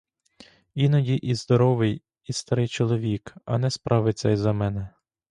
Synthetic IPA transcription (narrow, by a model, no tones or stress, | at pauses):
inɐdʲiʔizd̪ɔɾɔʋɪj | ist̪ɐɾɪjt͡ʃɔlˠɔʋʲikɐ̰nɛspɾʔɑʋɪt͡sʲːɛjzɐmɛnɛ